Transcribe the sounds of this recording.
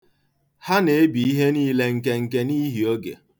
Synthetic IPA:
ha˦ne˨e˦bi˨i˦ɦe˦niː˦le˦ŋ̩˨ke˦ŋ̩˨ke˦ni˦ɦi˨o˦ɡḛ˨

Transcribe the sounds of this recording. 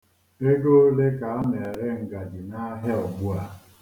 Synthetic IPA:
e˦ɡo˦le˦ka˨a˦ne˨ɾe˦ŋ̩˨ɡa˨d͡ʒi˨na˦ɦe˦ɔ˨bu˦a˨

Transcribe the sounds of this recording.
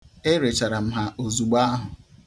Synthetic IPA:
e˦ɾe˨t͡ʃa˨ɾa˨m̩˦ɦa˨ʔo˨zu˨ɡ͡ba˦ɦʊ˨

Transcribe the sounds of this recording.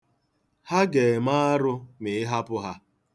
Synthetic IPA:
ha˦ɡe˨maː˦a˦ɾʊ˦mɪ˨ɪ˦ɦa˦pʊ˦ɦa˦

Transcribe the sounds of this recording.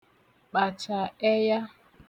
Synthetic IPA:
k͡pa˨t͡ʃa˨ɛ˦ja˦

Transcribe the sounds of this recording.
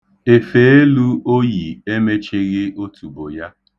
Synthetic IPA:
e˨fe˨e˦lu˦o˦ji˨e˦me˦t͡ʃe˦ɣɪ˦ʔo˦tʰu˨bo˨ja˦

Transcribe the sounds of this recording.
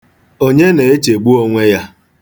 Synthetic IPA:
o˦ɲe˦ne˨e˦t͡ʃe˨ɡ͡bu˦o˦ŋʷe˦ja˦

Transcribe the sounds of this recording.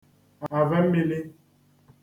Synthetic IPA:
a˨vɛ˦m̩˦be˦le˦

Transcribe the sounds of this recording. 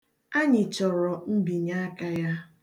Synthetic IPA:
a˦ɲɪ˨t͡ʃɔ˨ɾɔ˨m̩˦bi˨ɲa˦a˦ka˦ja˦

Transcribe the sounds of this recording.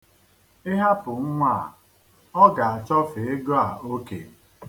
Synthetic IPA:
ɪ˦ɦa˦pʊ˨ŋ̩˦ŋʷa˦˨ | ɔ˦ɡa˨a˨t͡ʃɔ˦fe˨e˦ɡɔ˦a˨o˦kḛ˨

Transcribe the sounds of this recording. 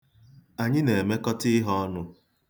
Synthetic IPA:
a˨ɲɪ˦ne˨e˨me˦kɔ˦tɪ˦ɦɔ˦nʊ˦

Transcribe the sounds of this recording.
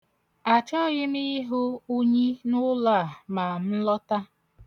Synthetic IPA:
a˨t͡ʃɔ˦ɣɪ˦mi˦ɦʊ˦u˦ɲi˦nʊ˦la˦˨ma˨m̩˦lɔ˦ta˦

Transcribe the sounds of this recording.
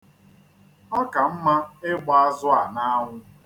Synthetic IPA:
ɔ˦ka˨m̩˦ma˦ɪ˦ɡ͡ba˦a˦zʊ˦a˨na˦ŋʷʊ˦

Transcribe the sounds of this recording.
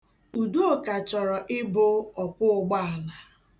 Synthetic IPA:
u˨du˦o˨ka˨t͡ʃɔ˨ɾɔ˨ʔɪ˦bʊ˦ɔ˨kʷʊ˦ʊ˨ɡ͡ba˦a˨la˨

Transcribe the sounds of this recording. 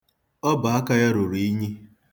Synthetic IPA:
ɔ˦ba˨a˦ka˦ja˦ɾʊ˨ɾi˨i˦ɲi˦

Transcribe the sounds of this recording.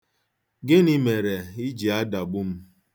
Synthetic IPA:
ɡɪ˦ni˦me˨ɾe˨i˦d͡ʒi˨a˦da˨ɡ͡bʊ˦m̩˦

